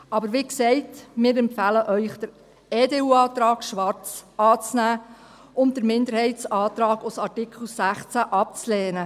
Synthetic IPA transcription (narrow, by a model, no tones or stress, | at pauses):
ʔɑbəɾʋiksɛɪtmɪːɾɛmpfæːləʔœʏχd̥əɾ | eːdeːuːɑːt̪ɾɑːɡʃʋɑɾt͡sɑːt͡snæː | ʊn̚d̥əɾmɪnd̪əɾhɛɪsɑːt̪ɾɑːɡʊsɑɾtɪkʰl̩sæχt͡sæʔɑp̚t͡slɛːnə